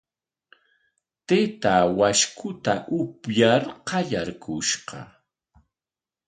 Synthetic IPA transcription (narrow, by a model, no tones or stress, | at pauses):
t̪et̪awaʃkʰʊt̪aʔʊpjaɾqɑʎaɾkʰʊʃqɑ̰